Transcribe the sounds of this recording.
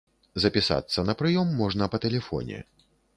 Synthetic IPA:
zɐpʲisa̰t̪sːɐnɐpɾɨjɔmːɔʐnɐpɐt̪ɛlʲɛfɔ̰nʲɛ̰

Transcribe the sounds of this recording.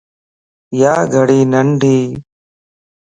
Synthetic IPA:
jaːɡʱəɽiːnəɳɖʱiː

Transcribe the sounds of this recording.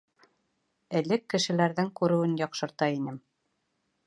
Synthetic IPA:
ɘ̆lɘkːɘ̆ʃɘ̆læɾðɘŋkʉɾɘ̆wɘnjɑqʃɤ̆ɾt̪ɑinɘm

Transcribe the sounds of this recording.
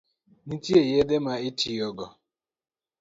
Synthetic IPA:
nitjejed̪emaɪtʰijɔɡɔ

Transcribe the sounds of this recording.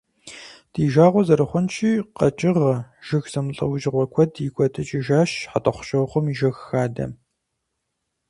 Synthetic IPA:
d̥iːʒaːʁʷɔzɐɾɨχʷɔnt͡ʃʰiːqɐt͡ʃʼɪʁɐʒ̥ɪxz̥ɐmɨɬʼɐ̰wʊʒɪʁʷɔkʷʰɔdiɡʷʼɔtʰɨt͡ʃʼiʒaːʃħatʼɐχʷʊ̥ɕʼɐwχʷɔmiʒɐxxaːdɐ̰

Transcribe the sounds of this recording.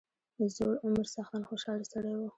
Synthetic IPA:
əzoɽʊmaɾsɑxt̪ɑnxoʃɑlisəɽejwu

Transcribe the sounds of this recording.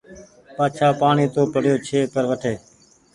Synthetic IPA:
paːt͡ʃʰaːpaːɳiːt̪oːpəɽ̤joːt͡ʃʰeːkəɾʋəʈʰeː

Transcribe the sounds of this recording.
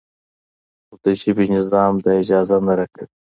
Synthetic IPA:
ʊd̪əʃibinɪzɑːmd̪aɪd͡ʒɑːzanaɾakaβi

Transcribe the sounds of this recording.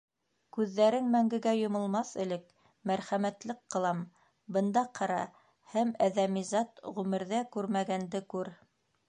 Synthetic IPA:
kʉðːæɾɘŋmæŋɡɘ̆ɡæjŏmɤ̆lˠmɑθɘ̆lɘk | mæɾχæmæt̪lɘqːɤ̆lˠɑm | bɤ̆nd̪ɑqʰɑɾɑ̰ | hæmæðæmizɑt̪ʁʉmɘ̆ɾðækʉɾmæɡænd̪ɘkʉɾ

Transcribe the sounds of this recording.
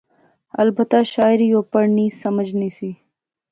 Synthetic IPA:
ɐ̰lbət̪aʃaːɪɾijopɐɾnisɐməd͡ʒnisi

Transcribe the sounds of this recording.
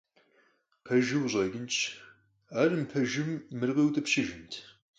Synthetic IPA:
qʰɐʒɪwʑʷʼɐɡʲɪnt͡ʃʰ | aːrɨmpʰɐʒɨmːɨrʁiːwt̪ʼɨpʃɪʒɪntʰ

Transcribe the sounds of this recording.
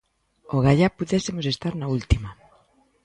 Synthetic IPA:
oɣaʎapuðesemosest̪aɾnault̪ima

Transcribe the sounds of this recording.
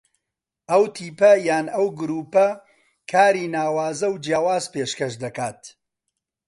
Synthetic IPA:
ʔɐwt̪ʰiːpɐjaːnɐwɡʊɾuːpɐ | kʰaːɾiːnaːwaːzɐwd͡ʒjaːwaːzpeːʃkɐʃd̪ɐkaːt̪

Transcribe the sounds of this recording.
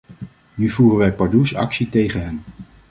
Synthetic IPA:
nyvuːrənʋɛjpɑɹdusɑ̰ksitejχənɦɛn

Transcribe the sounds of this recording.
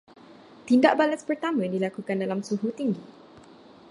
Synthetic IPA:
t̪indaʔ̚balaspərt̪amə̃dilakukandalamsuɦut̪iŋɡi

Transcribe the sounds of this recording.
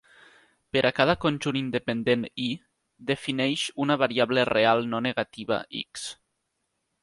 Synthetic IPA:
peɾʔakaðakonʲʒunind̪epend̪eni | d̪efinɛʃunaβaɾiaβlerealˠnɔneɣat̪iβa̰ʔḭks

